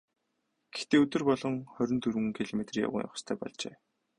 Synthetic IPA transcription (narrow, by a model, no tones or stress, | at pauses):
ɡ̥ext̪eːɵt̪ɵ̆rpɔɮɞ̆ŋχœɾʲɪ̆nt̪ʰɵɾ̆ŋ̆ŋkʰiɮomet̪rja̰wʊ̰ŋja̰χ̆st̪ʰæːpɔ̰ɮt͡ɕḛː